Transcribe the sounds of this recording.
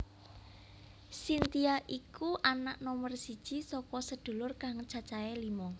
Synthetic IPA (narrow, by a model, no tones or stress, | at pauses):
sint̪iaʔikuʔanaʔnɔmərsid̥ʒ̥i̤sɔkɔsəd̪̥o̤lʊrkaŋt͡ʃat͡ʃaɛlimɔ